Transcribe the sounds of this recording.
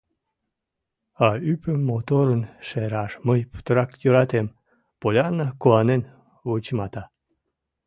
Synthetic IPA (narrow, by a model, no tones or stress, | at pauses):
ɑypəmːot̪oɾənʃeɾɑʃməjpu̥t̪əɾɑkjøɾɑt̪em | polʲɑnəkuɑnen | vot͡ɕmɑt̪ɑ